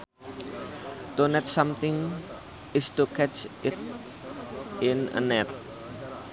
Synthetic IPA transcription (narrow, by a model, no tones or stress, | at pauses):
t̪onɛt̪̚samt̪ɪŋ | ɪst̪ukɛt͡ʃɪt̪̚ | ɪnə̰nɛt̪̚